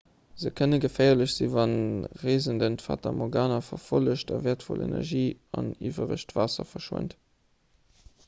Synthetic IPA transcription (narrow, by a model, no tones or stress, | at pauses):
z̥əkʰənəɡəfɛɪɐləɕz̥ivɑnʁeːzəndəntfa̰ːtʰɑmʔoɡaːnɐfɐfoləɕtɑvɛːɐtfɔlḛnɛ̰ʁʒiːɑniːvɐʁəɕtvaːsɐfɐʃwə̰nt